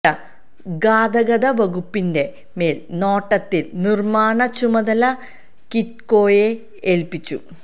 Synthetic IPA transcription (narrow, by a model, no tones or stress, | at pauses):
ɐ | ɡaːd̪ɐɣɐðɐʋɐɣupːinde̞ | me̞ːlno̞ːʈːɐt̪ːilnirmaːɳɐt͡ɕumɐðɐlɐ | kit̚ko̞ːje | eːlpit͡ɕːṵ